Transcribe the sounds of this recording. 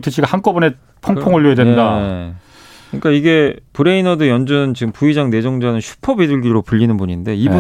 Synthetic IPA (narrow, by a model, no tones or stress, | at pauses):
tʰɯɕʰiɡahank͈ʌbʌne | pʰʌŋpʰoŋɯɭːoɦedwenda | kɯɲik͈aiɡe̞pɯɾe̞inʌdɯjʌnd͡ʑɯnɯnt͡ɕiɡɯmpuid͡ʑaŋne̞d͡ʑʌŋd͡ʑanɯnɕʰu̥pʰʌbedɯɭɡiɾopuʎːinɯnbuɲinde̞ibu